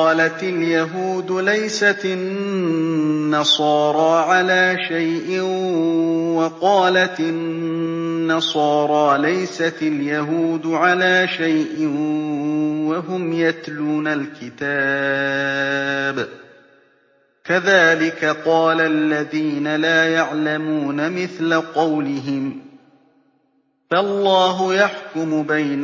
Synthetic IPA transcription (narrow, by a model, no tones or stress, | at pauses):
ɑːlat̪aljaɦuːd̪lajsat̪ɪn | ɑsˤɑːɾˤɑːʕalaːʃajʔɪ | wɑqɑːlat̪ɪnː | ɑsˤɑːɾˤɑːlajsat̪ɪljaɦuːd̪ʕalaːʃajʔɪ | waɦʊmjat̪luːnalkɪt̪aː | b | kaðaːlɪkaqɑːlalːaðiːnalaːjaʕlamuːnamɪθlaqɑwlɪɦɪm | faʔlˤːɑːɦʊjaħkʊmʊbajn